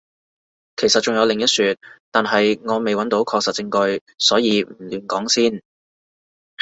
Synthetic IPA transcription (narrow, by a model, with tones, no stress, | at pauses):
kʰe˨˩jsɐ˨t̚t͡ʃʊ˨ŋjɐ˨˧wlɪ˨ŋjɐ˥t̚syː˨˧t̪̚t̪aː˨nɦɐ˨jŋɔː˨˧me˨jwɐ˨˥nt̪o˨˥wkʰɔː˧ksɐ˨t̚t͡sɪ˧ŋkɵ˧ɥ | sɔː˨˥jiː˨˧m̩˨˩lyː˨˩nkɔː˨˥ŋsiː˥˩n